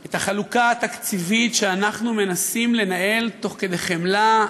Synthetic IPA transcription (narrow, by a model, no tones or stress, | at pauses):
e̞t̪aχalukaːt̪akt͡sivitʃeanaχnume̞nasimle̞naʔe̞lt̪o̞χke̞d̪ejχe̞mla